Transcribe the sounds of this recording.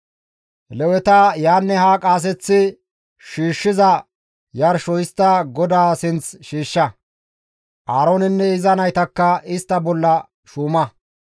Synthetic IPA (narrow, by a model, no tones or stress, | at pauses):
lɛwɛt̪ɐjaːnːɛhaːkʼaːs̬ɛt͡sːɪ | ʃiːʃːɪzɐ | jɐɾʃɔjɪst̪ːɐɡɔd̪aːsɪnt͡sʃiːʃːɐ | ʔaːɾonɪnːɛɪzɐnɐjt̪ɐkːɐɪst̪ːɐbɔlːɐ | ʃuːmɐ